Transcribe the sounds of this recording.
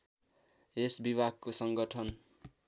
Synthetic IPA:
esbibʱaɡ̚kosʌŋɡʌʈʰʌn

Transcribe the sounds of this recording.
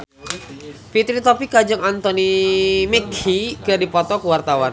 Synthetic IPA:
pit̪ɾit̪ɔpikad͡ʒʊŋant̪ɔnimɛkikadipɔt̪ɔkəwart̪awan

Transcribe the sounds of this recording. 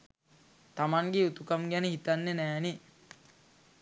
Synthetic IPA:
t̪amaŋɡeut̪ukamɡænəhit̪anːenæːne

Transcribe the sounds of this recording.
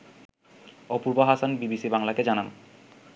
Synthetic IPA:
ɔpuɾbaɦasanbibisibaŋlaked͡ʑanam

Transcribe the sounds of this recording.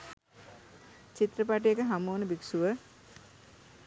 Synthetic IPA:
t͡ʃit̪ɾəpaʈ̬ijekəɦamuːnəbiksuʋə

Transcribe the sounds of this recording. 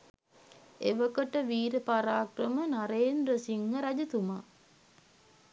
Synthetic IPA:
eʋəkəʈəʋiːɾəpaɾaːkrəmənaɾeːnd̪ɾəsiŋːəɾad͡ʒət̪uma

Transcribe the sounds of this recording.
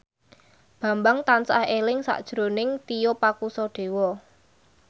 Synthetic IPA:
b̥ä̤mbaŋt̪ansa̰helɪŋsa̰ʔd̥ʒ̥ɾonɪŋt̪ijopakusɔɖ̥e̤wɔ

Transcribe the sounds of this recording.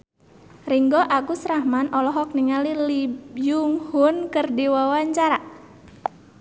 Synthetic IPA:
riŋɡɔʔakusɾahmanʔɔlɔɦɔk̚niŋalilibjuŋhunkərdiwawaɲt͡ʃaɾa

